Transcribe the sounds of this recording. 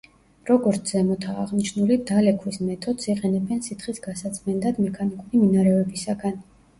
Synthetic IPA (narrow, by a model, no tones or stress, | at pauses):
ɾɔɡɔɾt̪sʰzɛmɔt̪ʰaːʁniʃnulid̪alɛkʰwismɛt̪ʰɔd̪siqʼɛnɛbɛnsit̪χisɡasat̪sʰʼmɛnd̪ad̪mɛkʰanikʼuɾiminaɾɛvɛbisaɡan